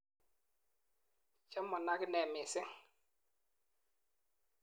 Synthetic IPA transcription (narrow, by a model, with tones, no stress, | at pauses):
t͡ʃɛ˦mɔ˨na˦kɪ˦nɛ˨mɪ˨sɪ˦ŋ